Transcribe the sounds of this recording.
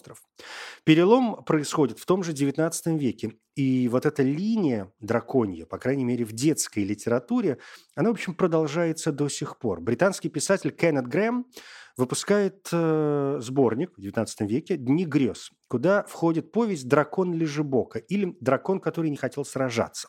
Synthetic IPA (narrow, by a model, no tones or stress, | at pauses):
t̪ɾəf | pʲɪɾʲɪlˠo̞mpɾəɪsxo̞dʲɪt̪ft̪o̞mʐɨdʲɪvʲɪt̪nat̪sɨ̥t̪əmvʲekʲɪ | ivo̞t̪ɛt̪əlʲinʲɪjəd̪ɾɐko̞nʲjəpɐkɾajnʲɪjmʲeɾʲɪvdʲe̞t̪skəjlʲɪtʲɪɾɐt̪uɾʲɪɐnavopɕːɪmpɾəd̪ɐlˠʐajɪt̪səd̪o̞sʲɪxpo̞̰rbɾʲɪt̪anskʲɪjpʲɪsatʲɪlʲkɛnəd̪̚ɡremvɨpʊskajɪt̪əzbo̞rnʲɪkvdʲɪvʲɪt̪at̪sə̥t̪əmvʲekʲɪd̪ʲnʲiɡɾʲo̞skʊd̪afxo̞dʲɪt̪̚po̞vʲɪsʲt̚ʲd̪ɾɐko̞nlʲɪʐɨbo̞kəʔilʲɪd̪ɾɐko̞nkɐt̪o̞ɾɨjnʲɪxɐtʲe̞lˠsrɐʐa̰t̪sə̥